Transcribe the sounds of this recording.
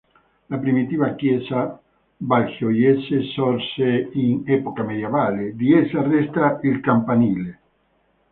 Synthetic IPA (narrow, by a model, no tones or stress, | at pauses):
lapɾimit̪iβakjesa | balxjojesesɔɾseiŋepokameðjeβaled̪iesarest̪ɾailkampanile